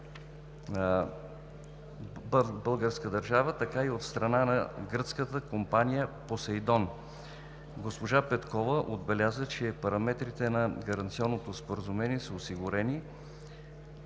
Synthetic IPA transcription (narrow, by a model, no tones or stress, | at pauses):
bəlˠɡəɾskəd̪ɐɾʒavət̪ɐkaiot̪st̪ɾɐnanɐɡɾɤt̪skət̪əkompanijəposɛjd̪ɔn | ɡospoʒapɛt̪kɔvəʔod̪bɛlʲjazət͡ʃɛpɐɾɐmɛt̪ɾit̪ɛnɐɡɐɾɐnt̪siɔnːot̪ospoɾəzʊmɛniɛsəosiɡʊɾɛni